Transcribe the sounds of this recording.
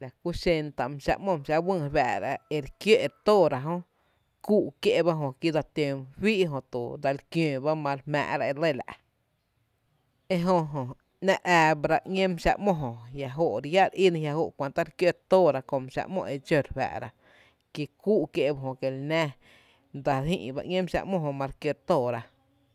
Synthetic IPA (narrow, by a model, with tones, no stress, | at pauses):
la˨ku˦ʃe˧nt̪a˧˨m˧ʃa̰˧ʔmõ˧mʃa˧wɨ̃˦˧ba̰˨ʔɾa̰˧e˧ɾkjo˦˨ʔt̪o˦˨ɾa˨ɦõ˦ | kuː˦˨ʔkje˦˧ba˦ɦõ˧˨ki˦d̪a˧t̪e˧mwiː˦ʔɦõ˧t̪o˨d̪a˧lkjẽː˧˨ba˦mã˧ɾmɛ̰̃ː˧˨ʔɾa˧e˧le˦˨la̰˨ʔ | e˦ɦo˧ɦõ˨ | nã˦˧ʔæː˧bɾa˧ʔŋʲẽ˦mʃa̰˧ʔmõ˧ɦõ˨ja˧˨ɦo˧˨ʔɾja˦ʔɾi˦nĩ˧ja˧ɦo˧˨ʔkʷã˧nt̪a˦ɾkjo˦˨t̪oː˦˨ɾa˧ko˧mʃa̰˧ʔmõ̰˧ʔe˧d͡ʒo˧˨ɾɸa̰˨ʔɾa˧ | ki˧kuː˦ʔkje˧ʔba˧ɦõ˧ke˧lnɛ̃ː˦ | d̪a˨ɾhḭ̃ː˦˧ʔba̰˧ŋʲẽ˦mʃa̰˧ʔmõ˦ɦõ˧mã˧ɾkjo˧ɾt̪oː˦˨ɾa˧